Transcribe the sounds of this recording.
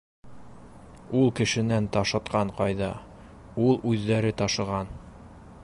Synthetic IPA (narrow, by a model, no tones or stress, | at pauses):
ulˠkɘ̆ʃɘ̆nænt̪ɑʃɤ̆t̪qɑɴqɑjðɑ | ulˠʉðːæɾɘt̪ɑʃɤ̆ʁɑn